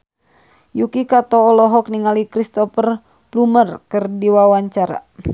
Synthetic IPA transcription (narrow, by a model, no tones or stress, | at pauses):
jukikat̪ɔːlɔɦɔk̚niŋalikɾist̪ɔpər | plumərkɨrdiwawaɲt͡ʃaɾa̰